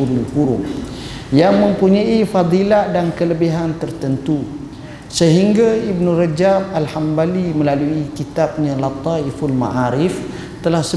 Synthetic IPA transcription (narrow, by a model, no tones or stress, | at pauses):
uɾulhuɾʊm | jaŋmə̃mpuɲaifad̪ˤiladankələbiɦant̪ərt̪ənt̪u | səɦiŋɡaib̚nurad͡ʒamalhambaliməlaluikit̪ap̚ɲãlat̪aifulma̰ʔaɾɪf | t̪əlahsə